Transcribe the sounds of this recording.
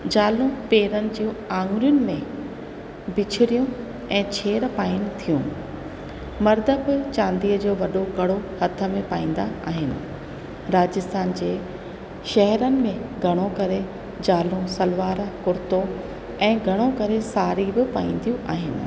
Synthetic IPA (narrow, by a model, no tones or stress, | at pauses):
d͡ʑaːlũpeːɾənɪ̆d͡ʑĩːãːŋɡɾjʊnɪ̆mẽ | bɪt͡ɕʰɪɾijũ | ɛ̃ːt͡ɕʰeːɾpaːɪnɪ̆t̪ʰijũ | mɐɾd̪əbɪt͡ɕãːnd̪iːəd͡ʑoːʋɐɗoɡɐɽ̤ohɐt̪ʰə̆mẽpaːĩːn̆d̪aa̰ːɦɪnɪ̆ | ɾaːd͡ʑɪst̪ʰaːnd͡ʑeː | ʃɛɦɛɾənɪ̆mẽɡʱɐɽ̃okɐɾe | d͡ʑaːlũsɐlʋaːɾkʊɾɪt̪o | ɛ̃ːɡʱɐɽ̃okɐɾesaːɾibɪpaːĩːnd̪ʱijũʔaːɦɪnɪ̰̆